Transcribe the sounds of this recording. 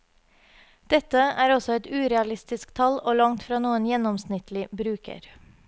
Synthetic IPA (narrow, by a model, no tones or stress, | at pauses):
d̪̥ɛt̪əæːɾɔsɔɛt̪ʉːɾɛɑlɪst̪ɪskt̪ʰɑloːlɑŋt̪fɾɑːnuːənjɛnɔmsnɪt̪lɪbɾʉːkə̰ɾ